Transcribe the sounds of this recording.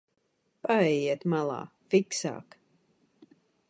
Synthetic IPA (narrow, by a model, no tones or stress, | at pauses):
paɛjiɛt̪malˠa̰ːfiksa̰ːk